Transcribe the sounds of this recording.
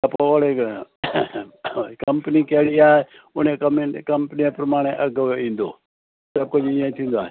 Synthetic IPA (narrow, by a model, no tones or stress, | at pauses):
ɐpooɽe | kɐmpənikɐɦɽiaːɦe | ʊnẽkmkɐmpniẽpɾəmaːɽ̃eʔɐɡĩːnd̪oː | sɐb̚kʊd͡ʒɪãĩt̪ʰĩːnd̪oaːɦ